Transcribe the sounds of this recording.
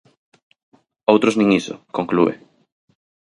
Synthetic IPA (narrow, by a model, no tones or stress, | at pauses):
owt̪ɾoznĩŋiso̰koŋkluḛ